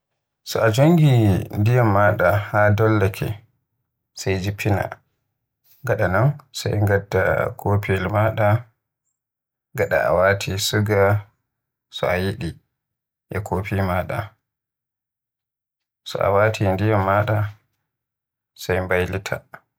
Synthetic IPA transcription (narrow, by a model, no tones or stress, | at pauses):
sɔʔad͡ʒoŋɡindijamːaɗahadɔlːakʰɛ̰ | sajd͡ʒipʰːina̰ | ɡaɗanɔnsa̰jŋɡadːa̰kʰoːpiɛlmaɗa | ɡaɗa̰ʔa̰watʰisuɡa | sɔʔajiɗi | ʔɛkʰopimaɗa̰ | sɔ̰ʔa̰watʰindijamːaɗa | sajmbajlitʰa̰